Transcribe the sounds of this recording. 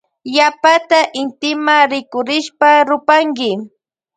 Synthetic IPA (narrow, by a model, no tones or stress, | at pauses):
japat̪aʔɪnt̪ɪmaɾɪkʊɾɪʃpaɾʊpaŋɡɪ